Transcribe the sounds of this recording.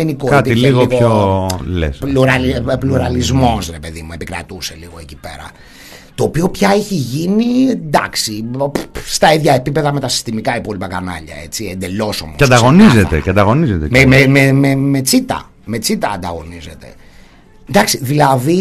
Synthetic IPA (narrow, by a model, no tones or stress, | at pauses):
enikokeɐtpiiliɣopɣolḛspluɾɐlipluɾɐlizmo̞sɾe̞pe̞ðimue̞pikɾɐ̰t̪use̞liɣo̞ecipe̞̰ɾɐ̰ | t̪o̞ːpio̞pçɐeçiʝinind̪ɐksi | st̪ɐiðʝɐipipe̞ðɐme̞t̪ɐsi̥st̪imikɐipo̞lipɐkɐnɐ̰ʎɐ̰e̞t͡siend̪e̞lo̞so̞̰moeɐd̪ɐɣo̞nizet̪ḛceɐnd̪ɐɣo̞nizet̪emememememet͡sit̪ɐ̰ | met͡sit̪ɐɐ̰nd̪ɐɣo̞nize̞t̪e̞̰ | d̪ɐksiðilɐði